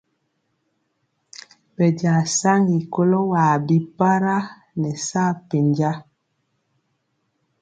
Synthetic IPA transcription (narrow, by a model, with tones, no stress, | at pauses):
bɛ˨d͡ʒã˨sa˦ŋɡi˨ko˦lo˦waː˨bi˦pa˦ɾa˦ | nɛ˨sa˦˨pe˨nd͡ʒa˦